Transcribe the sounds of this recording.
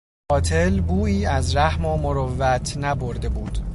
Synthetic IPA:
ɒːt̪ʰe̞lbuːiːæzɾæhmoːmoɾovːæt̪ʰnæboɾd̪e̞buːd̪̥

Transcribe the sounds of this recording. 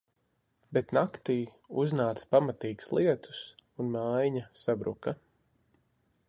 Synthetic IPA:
bet̪nakt̪iː | uznaːt̪spamat̪iːku̥slˠʔiɛt̪ʰu̥sunmajɲasabɾṵka

